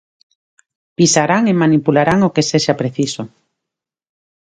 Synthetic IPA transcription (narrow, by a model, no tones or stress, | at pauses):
pisaɾaŋemanipulaɾaŋokeseʃapɾeθiso